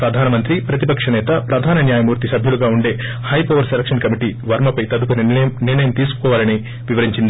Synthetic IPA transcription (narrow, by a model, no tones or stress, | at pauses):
pɾɐd̪ʱaːnɐmɐnt̪ɾipɾɐt̪ipɐkʂɐnɛːt̪ɐpɾɐd̪ʱaːnɐnjaːjɐmuːɾt̪isɐbʱjuluɡaːuɳɖe̞ː | hɐjpɐʋɐɾselɐkʂɐnkɐmiʈiʋɐɾmɐpɐjt̪ɐd̪upunniɾɳɐjɐmt̪iːsu̥kɔːʋaːlɐni | ʋiʋɐɾiɲt͡ʃind̪i